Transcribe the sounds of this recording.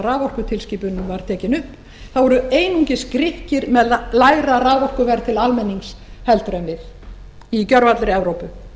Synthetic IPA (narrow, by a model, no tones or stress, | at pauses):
raːvɔrkʏt̪ʰɪlsciːpʏnːʏmvaɾ̥t̪ʰɛːcɪnʏhp | θavɔɾʏeːjnuɲcɪskɾɪhcɪɾmɛðlaːjɾaraːvɔhkʏvɛɾt̪ʰɪlalmɛnːiŋks | hɛlt̪ɾœmvɪð | icœɾvat̪lɾɪɛvɾowpʏ